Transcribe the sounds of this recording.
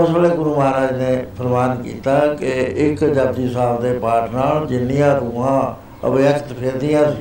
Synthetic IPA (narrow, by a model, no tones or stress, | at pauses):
ʊsbəːleːɡʊɾuːməɦaːɾaːd͡ʒnẽːpʰəɾmaːnkḭːt̪aːkɪɪkd͡ʒəbd̪iːsaːʋd̪eːpaːʈʰnaːld͡ʒɪnːijãːɾuːãː | ə̰ʋjəkt̪pʰeːd̪ɪjãː